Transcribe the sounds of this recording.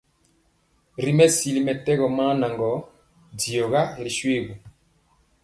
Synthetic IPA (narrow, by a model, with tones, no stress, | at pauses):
ɾi˨mɛ˦si˨li˨mɛ˨tɛ˦ɣɔ˨ma˦na˨ŋɡɔ˨˦ | di˨ɔ˨ɣa˦˨ɾi˨ʃwe˦˨ɣu˨